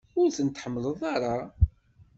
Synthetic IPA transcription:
ʊɾθənt̪ːħəmːləðˤaɾˤɑ

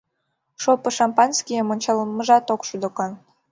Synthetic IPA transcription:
ʃopə̆ʃɑmpɑnskʲijəmonʲt͡ɕɑlməʒɑt̪okʃud̪okɑn

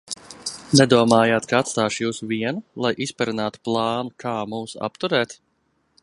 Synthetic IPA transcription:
nɛd̪uɔmaːjaːt̪kaat̪st̪aːʃjuːsuviɛnulˠajʔispaɾinaːt̪u̥plˠɑːnukʰaːmuːsa̰pt̪uɾɛːt̪

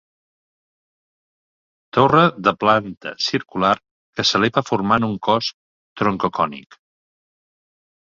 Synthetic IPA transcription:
t̪orəðəplant̪ə̰siɾkular | kəsəleβəfuɾmanuŋkɔs | t̪ɾoŋkokɔnḭk

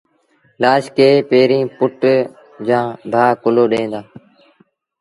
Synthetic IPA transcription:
laːʃkeːpeːɾĩːpʊʈ | d͡ʒãːbʱaːkʊloːɗẽːnd̪aː

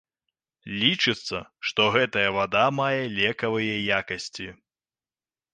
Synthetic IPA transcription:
lʲit͡ʂɨt̪sːɐʂt̪ɔɣɛt̪ɐjɐvad̪amajɛlʲɛkɐvɨjɛjakɐsʲt͡sʲi

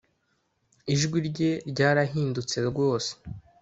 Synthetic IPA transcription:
iʒɡwiɾɟe̞ɾɟaːɾaɦiːndut͡se̞ɾɡwo̞ːse̥

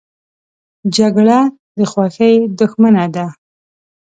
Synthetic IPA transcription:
d͡ʒaɡɽa | d̪əxwaxəjd̪ʊxmanad̪a

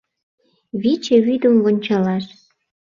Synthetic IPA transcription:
βit͡ɕeβyd̪ə̆mβŏnʲt͡ɕɑlɑʃ

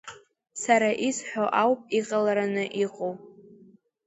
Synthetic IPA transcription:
saɾaʔisħᶣʷoʔawpʼiqʼalaɾanɨʔiqʼow

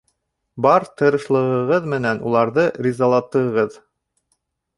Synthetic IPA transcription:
bɑɾt̪ɤ̆ɾɤ̆ʃlˠɤ̆ʁɤ̆ʁɤðmɘ̆nænulˠɑɾðɤɾʲizalˠɑt̪ːɤ̆ʁɤð

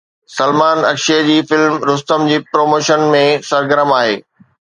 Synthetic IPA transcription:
sɐlmaːnɐ̰kʃiəd͡ʑiːfɪlmɾʊst̪əmd͡ʑiːpɾoːmoːʃənmẽsɐɾɡəɾəmaːɦeː

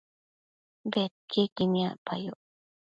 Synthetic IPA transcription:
bet̪̚kʰekimia̰pʰa̰jo

